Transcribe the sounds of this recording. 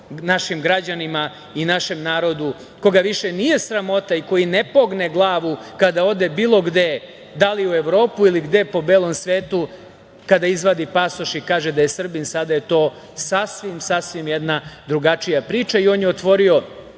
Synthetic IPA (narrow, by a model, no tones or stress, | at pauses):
naʃimɡɾad͡ʑanima | inaʃemnaːɾo̞d̪u | ko̞ɡaʋiʃenije̞sɾamo̞t̪aiko̞jinepo̞ɡneɡlˠaːʋukad̪ao̞d̪ebiːlˠo̞ɡd̪e̞ | d̪aliueʋɾo̞ːpuiliɡd̪e̞po̞beːlˠo̞msʋeːt̪u | kad̪aizʋad̪ipasoʃikaːʒed̪ajesr̩binsad̪aje̞t̪o̞ː | sasʋimsasʋimjed̪nad̪ɾuɡat͡ʂijapɾiːt͡ʃaio̞ːnjeot̪ʋo̞ɾio̞